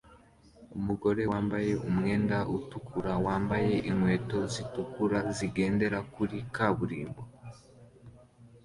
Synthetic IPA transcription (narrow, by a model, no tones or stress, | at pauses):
umuɡo̞ɾe̞waːmbaje̞ʔumŋe̞ːndautukuɾawaːmbaje̞ʔiŋwe̞ːto̞zitukuɾaziɡe̞ːnde̞ɾakuɾikaβuɾiːmbo